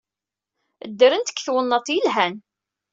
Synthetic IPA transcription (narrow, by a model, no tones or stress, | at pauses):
əd̪ːəɾənt̪ə̥kːθwənːɑt̪ˤːjəlɦæn